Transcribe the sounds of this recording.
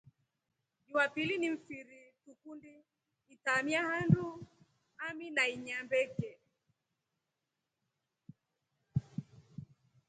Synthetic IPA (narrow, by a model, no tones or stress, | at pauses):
ʄumapilinim̩fiɾitukundi | itamiahandu | aminaiɲambɛkɛ